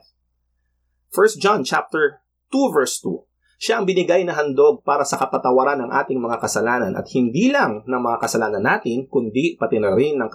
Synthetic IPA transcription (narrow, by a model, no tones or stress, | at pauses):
fɛɹst̪̚d͡ʒant͡ʃa̰p̚t̪ɛɹ | t̪uvɛɹst̪ṵ | ʃaʔɐŋbɪnɪɡajnɐɦɐnd̪o̞ɡ̚paːɾɐsɐkɐpɐt̪ɐwɐɾanːɐŋʔa̰ːt̪ɪŋmɐŋakɐsɐlaːnɐnʔɐ̰t̪̚hɪnd̪iːlɐŋnɐŋmɐŋakɐsɐlaːnɐnːaːt̪ɪnkʊnd̪ipɐt̪ɪnɐɾɪnːɐŋk